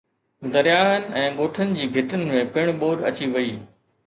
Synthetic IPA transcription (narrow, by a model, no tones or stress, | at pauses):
d̪ɐɾijaːɦənɪ̆ɛ̃ːɠoːʈʰənɪ̆d͡ʑiːɡʱɪʈənɪ̆mẽpɪɽ̃ɓoːɖɐt͡ɕiʋɐiː